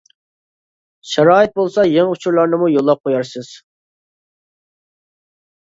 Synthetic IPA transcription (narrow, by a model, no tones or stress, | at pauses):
ʃɛɾɑːɪt̪̚bolˠsɑjeŋut͡ʃʰuɾlˠɑɾnɨmujolˠːɑp̚qʰojɑɾsɨz̥